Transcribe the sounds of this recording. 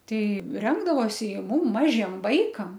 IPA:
ˈtʲɛɪ ˈrʲɛŋɡdɐʋoːsʲɪ ɪ ˈmʊm ˈmɑːʒʲiɛm ˈʋɐɪkɐm

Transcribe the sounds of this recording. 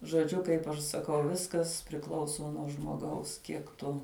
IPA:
ʒoːˈd͡ʒʲʊ kɐɪp ɐʃ sɐˈkɐʊ ˈʋʲɪskɐs pʲrʲɪˈklˠɐʊsoː nuɔ ʒmoːˈɡɐʊs ˈkʲiɛk tʊ

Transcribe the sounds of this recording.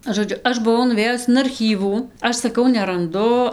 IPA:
ʒoːˈd͡ʒʲʊ ˈɐʃ ˈbʊʋɐʊ nʊˈʋʲeːjʊs ɪn ɐrʲˈxʲiːʋuː ˈɐʃ sɐˈkɐʊ nʲɛrɐnˈdʊ

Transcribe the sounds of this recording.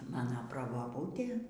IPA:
ˈmɑːnoː prɐboːˈbuːtʲeː

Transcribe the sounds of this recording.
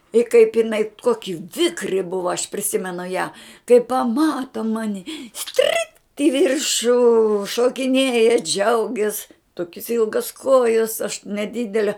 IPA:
ɪ kɐɪp ɪˈnɐɪ ˈkoːkʲɪ ˈʋʲɪkrʲɪ ˈbʊʋɐ ɐʃ pʲrʲɪˈsʲɪmʲɛnʊ jæː kɐɪ pɐˈmɑːtɐ ˈmɑːnʲɪ ˈsʲtʲrʲiːkt ɪ ˈʋʲɪrʃʊ ʃoːkʲɪˈnʲeːjɛ ˈd͡ʒʲɛʊɡʲɛs ˈtoːkʲɪs ˈɪlˠɡɐs ˈkoːjɛs ɐʃ nʲɛˈdʲɪdʲɛlʲɛ

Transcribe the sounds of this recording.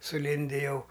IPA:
sʊˈlʲɪnʲdʲɪ ˈjɛʊ

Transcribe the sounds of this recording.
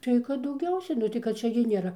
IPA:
ˈtɐɪ kɐt dɐʊˈɡʲɛʊsʲɛ nʊ ˈtɐɪ kɐt ˈt͡ʃʲɛ ɡʲɪ nʲeːˈrɐ

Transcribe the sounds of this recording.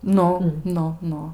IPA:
ˈnʊ ˈnʊ ˈnʊ

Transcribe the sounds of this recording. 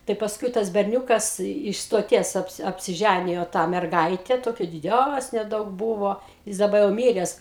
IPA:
tɐɪ pɐsˈkʊɪ tɐs bʲɛrʲˈnʲuːkɐs ɪʃ stoːˈtʲiɛs ˈɑːpʲsʲɪ ɐpʲsʲɪˈʒʲænʲɪjoː tɑː mʲɛrˈɡɐɪtʲɛ ˈtoːkʲɛ dʲɪˈdʲæsʲnʲeː ˈdɐʊk ˈbuːʋoː ˈjɪs dɐˈbɐ jɛʊ ˈmʲiːrʲɛs

